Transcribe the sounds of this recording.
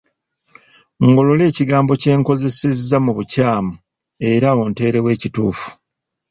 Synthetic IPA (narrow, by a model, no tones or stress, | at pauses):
ŋɡo̞lo̞le̞ːciɡaːmbo̞ce̞ːŋko̞ze̞se̞zːamuβucaːmu | e̞ɾao̞nte̞ːɾe̞we̞ːcituːfu̥